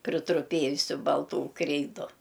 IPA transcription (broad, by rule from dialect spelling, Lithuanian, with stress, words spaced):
pʲrʲɪtrʊˈpʲeːjʊsʲʊ bɐlˠˈtuː ˈkrʲɛɪdʊ